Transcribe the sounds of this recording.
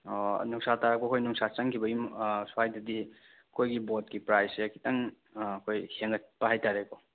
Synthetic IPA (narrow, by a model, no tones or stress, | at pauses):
nuŋsataɾak̚pokʰojnuŋsat͡ʃɐŋkʰibɐjumsajdɐdi | kʰojɡibot̚kipɾajsekʰitɐŋ | kʰojheŋɡɐt̚pɐɦajtaɾekɔ